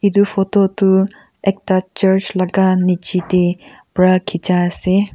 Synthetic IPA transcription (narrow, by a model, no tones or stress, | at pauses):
id̪upʰɔtɔtu | ɛk̚tat͡ʃəɹt͡ʃlaɡanit͡ʃite | bɹakʰid͡ʒaːse